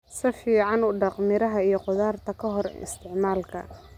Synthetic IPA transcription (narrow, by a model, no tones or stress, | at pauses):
sɪfiːʕɑnʊɖɑqmɪɾɐɦɐijɞqʊðaːrt̪ʰɐkʰɐɦɔrɪ̰st̪ʰɪʕmaːlkʰɐ̰